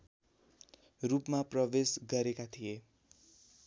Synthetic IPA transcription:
rupmaprʌbesɡʌɾekat̪ʰije

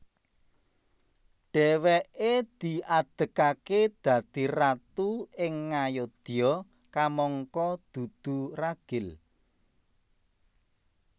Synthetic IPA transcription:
ɖ̥ɛwɛʔed̪̥i̤ʔad̪̥ə̤kaked̪̥ä̤d̪̥irat̪uɪŋːajod̪̥iɔ | kamɔŋkɔd̪̥ṳd̪̥ṳraɡ̥ɪ̤l

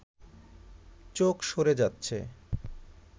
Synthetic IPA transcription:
t͡ɕokʃoɾed͡ʑatːɕʰḛ

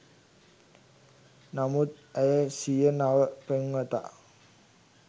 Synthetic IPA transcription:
namut̪̚ɛjəsijənaʋəpeŋʋət̪a̰

